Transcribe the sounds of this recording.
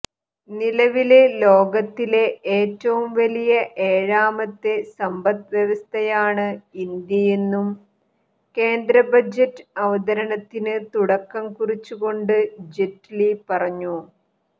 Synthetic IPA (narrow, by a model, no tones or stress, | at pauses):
nilɐʋilelo̞ːɡɐt̪ːile̞eːtːɐʋumʋɐlijɐʔe̞ːɻaːmɐt̪ːe̞sɐmbɐt̪ʋjeʋɐst̪ʰɐjaːɳɨind̪jɐje̞nːum | ke̞ːnd̪ɾɐbɐd͡ʑɐtːɨɐʋɐd̪ɐɾɐnɐt̪ːinɨt̪uɽɐkːɐmkurit͡ɕːuɣo̞ɳɖɨd͡ʑetlipɐrɐɲːu